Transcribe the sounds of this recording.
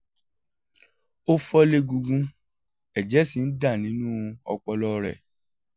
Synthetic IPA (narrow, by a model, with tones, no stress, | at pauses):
o˦fɔ˦le˦ɡũ˧ɡũ˦˧ | ɛ˨d͡ʒɛ˨˦si˨n̩˦da˦˨nĩ˨˦nũ˦ɔ̰˧k͡pɔ˧lɔ˦˧ɾɛ̰˨